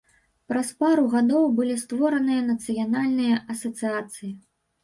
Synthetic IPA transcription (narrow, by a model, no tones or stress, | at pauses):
pɾɐspaɾuɣad̪ɔwbɨlʲist̪vɔɾɐnɨjɐnɐt̪sɨjanalʲnɨjɐʔɐsɐt̪sɨjat̪sɨji